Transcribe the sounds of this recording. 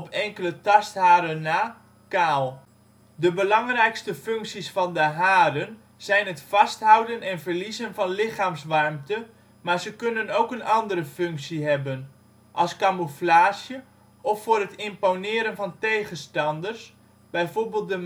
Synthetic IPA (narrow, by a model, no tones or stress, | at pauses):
ɔpʰɛŋkələtɑsthaːɾənːaː | kaːlˠ | dəbəlɑŋrɛjkstəfɵŋksisfɑndəɦaːdən | z̥ɛjnɦətfɑstɦɔwdənɛnvəɹlizənvɑnlɪχaːmsʋɑrmtə | maːɹzəkɵnənowkənʔɑndəɾəføŋksiɦɛbən | ʔɑlˠskamoflaːsjə | ɔfːʊːrətɪmponɪːɾənvɑntejχənstɑndərs | b̥ɛjforbeːlˠt̚də